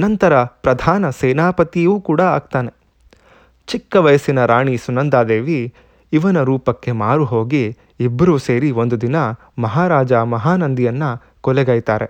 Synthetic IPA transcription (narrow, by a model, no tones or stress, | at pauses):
nɐnt̪ɐɾɐpɾɐd̪ʱaːnɐseːnaːpɐt̪ijuːkuːɽɐaːɡ̚t̪aːne̞ | t͡ʃikːɐʋɐjɐsinɐɾaːɳisunɐnd̪aːd̪eːʋiː | ʋɐnɐɾuːpɐkːe̞maːɾuɦoːɡi | ibːɐɾuseːɾio̞nd̪ud̪inɐ | mɐɦaːɾaːd͡ʒaːmɐɦaːnɐnd̪ijɐnːɐ | kɔlɛɡɐːjt̪aːɾe̞